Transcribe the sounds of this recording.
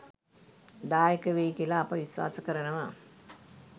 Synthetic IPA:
d̪aːjəkəʋejikilaːpɐʋisʋa̰ːsəkəɾɐnəʋa

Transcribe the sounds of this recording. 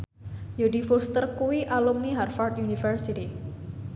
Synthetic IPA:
jodi̤furst̪ərkuwiʔalumniɦarfart̪junifərsit̪i

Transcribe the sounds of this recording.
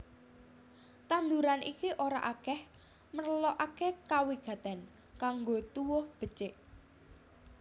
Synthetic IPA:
t̪and̪uɾanʔḭkiʔoɾa̰ʔakɛh | mərlɔʔakekawiɡ̥a̤t̪ɛn | kaŋɡot̪uwʊhb̥ə̤t͡ʃɪʔ

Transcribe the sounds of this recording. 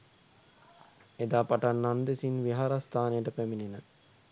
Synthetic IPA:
ed̪aːpaʈanːand̪esinʋiɦaɾast̪ʰaːnejəʈəpæmininə

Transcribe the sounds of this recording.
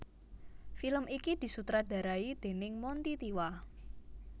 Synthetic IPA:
filəmikid̪̥i̤sut̪ɾaɖ̥ä̤ɾaid̪̥e̤nɪŋmɔnt̪it̪iwa

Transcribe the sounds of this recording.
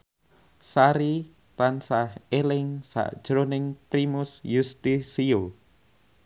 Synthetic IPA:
saɾi | t̪ansahelɪŋsa̰ʔd̥ʒ̥ɾonɪŋpɾimʊsjust̪isio

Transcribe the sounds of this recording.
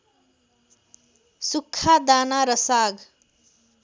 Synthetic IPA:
sukʰːad̪anaɾʌsaɡ

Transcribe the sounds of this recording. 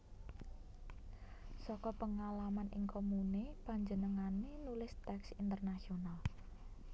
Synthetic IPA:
sɔkɔpəŋalamanʔɪ̰ŋkʰomunepaɲd͡ʒənəŋanenulɪst̪ɛksint̪ərnasional

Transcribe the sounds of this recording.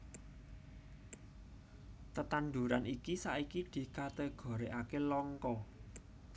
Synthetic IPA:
t̪ət̪anɖ̪ṳɾanikisaʔikid̪̥i̤kat̪əɡ̥ɔ̤ɾeʔakelɔŋkɔ

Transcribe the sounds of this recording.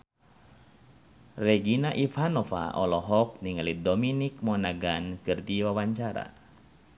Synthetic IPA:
rɛɡinaʔifanɔfa̰ɔlɔɦɔk̚niŋalidɔminik̚mɔnaɡankɨrdiwawaɲt͡ʃaɾa̰

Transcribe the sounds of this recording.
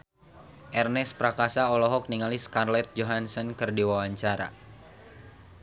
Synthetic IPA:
ʔɛrnɛspɾakasaɔlɔɦɔk̚niŋaliskarlɛt̪̚d͡ʒoɦansɔnkɨrdiwawaɲt͡ʃaɾa̰

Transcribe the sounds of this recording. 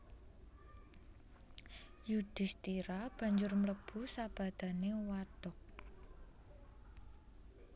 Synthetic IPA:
jud̪̥i̤st̪iɾab̥a̤ɲd͡ʒʊrmələb̥ṳsab̥ä̤d̪̥a̤newat̪ɔk̚

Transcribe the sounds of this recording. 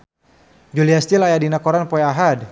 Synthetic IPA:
d͡ʒuliast̪ilajadinakɔɾanpɔɛaɦad

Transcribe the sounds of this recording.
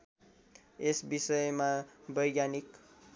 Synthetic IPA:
esbisʌjmabʌjɡjanik

